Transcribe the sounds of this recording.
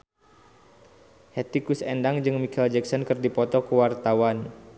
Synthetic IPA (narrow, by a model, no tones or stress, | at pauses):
hɛt̪ikusɛndaŋd͡ʒɨŋmikɛld͡ʒɛksɔnkɨrdipɔt̪ɔkəwart̪awan